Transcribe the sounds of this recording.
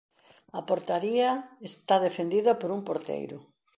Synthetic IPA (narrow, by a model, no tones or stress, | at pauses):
ɐpoɾt̪aɾiɐest̪aðefend̪iðɐpoɾumpoɾt̪ḛjɾʊ